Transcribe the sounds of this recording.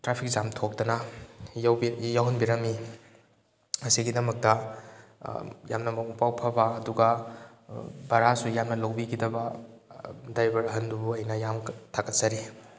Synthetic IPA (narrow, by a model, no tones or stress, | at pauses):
tɾapʰik̚zamtʰok̚tɐnɐjwbijawɦɐnbiɾɐmi | ɐsiɡidɐmɐk̚tɐ | ja̰mnɐmɐupawpʰɐbɐːduɡɐ | bɐɾasujamnɐlowbikʰidɐbɐ | dajbɐɾɦɐndubuɐjnɐjamtʰakɐt̚zɐɾi